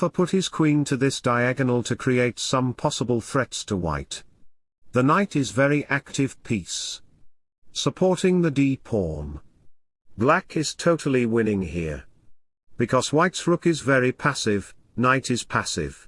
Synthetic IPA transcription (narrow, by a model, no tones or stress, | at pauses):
fə˞pʰʊt̚hɨz̥kʰw̥ĩntʰɨðɪsd̥aɪæɡɨnl̩ˠtʰɨkʰɹ̥ieɪtsʌ̃mpʰɑsəbəl̩ˠθɹɛtstʰəwa̰ɪt̪ | ðənaɪɾɨzvɛɹiʔæk̚tɨv̥pʰis | səpʰɔɹɾɪ̃ŋðɨdipʰhɔɹm | blækɨz̥tʰoʊɾl̩ˠiwɪ̃nɪ̃ŋhḭɹ | b̥ɨkʰʌz̥waɪtsɹʊkɨzvɛɹipʰæsɪv̥ | naɪɾɨz̥pʰæsɪ̰v̥